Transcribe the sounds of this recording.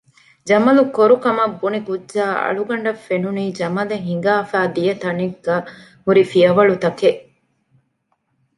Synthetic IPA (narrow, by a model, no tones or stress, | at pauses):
d͡ʒɐmɐlukoɾukɐmɐbːunikudd͡ʒaːɐ̰ɭuɡɐɳɖɐfːenuniːd͡ʒɐmɐleɦiŋɡaːfæːd̪ijɐt̪ɐniɡːɐ | huɾifiɐʋɐɭut̪ɐkeʔ